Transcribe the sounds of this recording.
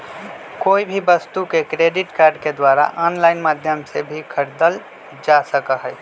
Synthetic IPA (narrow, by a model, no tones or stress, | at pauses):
koːibʱibəst̪ukekɾeɖiʈkaːɾɖked̪waɾa̰ʔɔnlaɪnmad̪ʱjəmsebʱikʰəɾd̪əl | d͡ʒasəkəɦɛj